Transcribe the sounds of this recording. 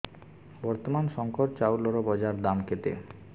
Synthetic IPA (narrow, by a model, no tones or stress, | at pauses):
bɔɾt̪omanʃɔŋkoʈt͡ɕawlɔɾobɔd͡ʑaɾd̪amkʰet̪ḛ